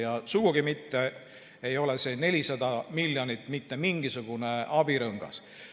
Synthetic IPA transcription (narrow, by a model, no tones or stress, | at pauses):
jɑsuɡ̥uɡ̥imit̪ːe̞ | ejo̞lese̞ːne̞lʲisɑd̪ɑmilʲːjonit̪ːˑmit̪ːe̞miŋɡ̥isuɡ̥une̞ɑbiɾɤŋɡ̥ɑ̰s